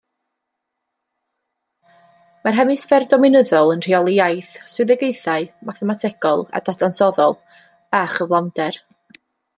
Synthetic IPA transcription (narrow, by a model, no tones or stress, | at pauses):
marɦɛmɨsfɛrdɔmɪnəðɔlˠənr̥iɔlˠijajθswɪðɛɡejθaɨmaθɛmatʰɛɡ̥ɔlˠa̰dadansɔðɔlˠ | aχəvlˠandɛr